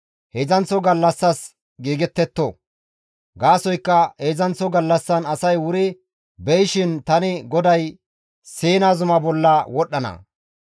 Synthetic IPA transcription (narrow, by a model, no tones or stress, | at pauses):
hezɐnt͡sːɔɡɐlːɐsːɐs | ɡiːɡɛt̪ːɛt̪ːo | ɡaːsɔjkːɐheːzɐnt͡sːɔɡɐlːɐsːɐnɐsɐjwʊɾɪ | bɛjʃɪnt̪ɐnɪɡɔd̪ɐj | seːnaːzʊmɐbɔlːɐwɔɗːɐnɐ̰